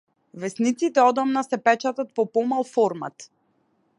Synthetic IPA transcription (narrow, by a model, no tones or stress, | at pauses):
vɛsnit̪sit̪ɛɔd̪ɔmnasɛpɛt͡ʃat̪at̪̚pɔpɔmalˠfɔɾma̰t̪